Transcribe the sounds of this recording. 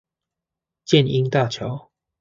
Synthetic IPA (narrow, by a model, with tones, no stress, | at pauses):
t͡ɕjɛ˥˨ni˦ŋt̪a˥˨t͡ɕʰjɑ˨˦ʊ